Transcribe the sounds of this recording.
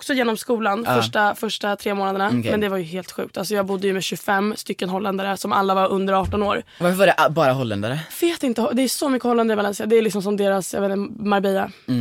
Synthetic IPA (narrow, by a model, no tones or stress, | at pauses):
ɔksɔjeːnɔmskuːlanfœʂʈafœʂʈat̪ʰɾeːmoːnad̪əɳamɛnd̪ɛvaɾjɵɦeːlt̪ɧʉ̰ːk̚t̪als̬ɔjɑːɡbʊd̪ːəjɵmɛɕɵfɛmːst̪ʏkːənɦɔlːɛnd̪aɾəsɔma̰lːavaɾʔɵnd̪əɾɑːʈɔnoːɾ | vaɾfəvaɾɛʔbɑːɾaɦɔlːɛ̰nd̪a̰ɾəveːt̪ɪnt̪əd̪ɛːsɔmʏkːəhɔlːɛnd̪aɾɪvalɛnsɪad̪ɛɛlɪksɔms̬ɔmd̪eːɾasj̰eːnmaɾbɛːa